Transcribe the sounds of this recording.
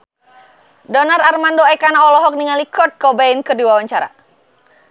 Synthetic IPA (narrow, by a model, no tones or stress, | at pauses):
dɔnararmandoɛkanaɔlɔɦɔk̚niŋalikɔt̪̚kɔbainkədiwawaɲt͡ʃaɾa̰